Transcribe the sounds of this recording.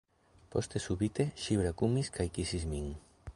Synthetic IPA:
post̪esuβit̪eʃiβɾakumiskajkisizmiŋ

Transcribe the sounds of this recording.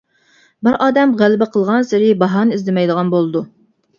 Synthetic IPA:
bɪɾɑːd̪ɛmʁælɪbɛqʰəlˠʁɑnsɪɾɪbɑɦɑːnɨizd̪ɪmɛjd̪əʁɑnbolˠɨd̪u

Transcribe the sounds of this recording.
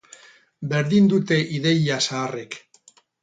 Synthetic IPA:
be̞ɾðind̪ut̪e̞ʔiðe̞jasaːre̞k

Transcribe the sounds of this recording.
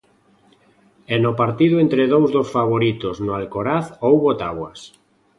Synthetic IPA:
ɛnopaɾt̪iðʊent̪ɾeðowzðosfaβ̞oɾit̪ʊznʊalkoɾaθowβot̪aβwɐs

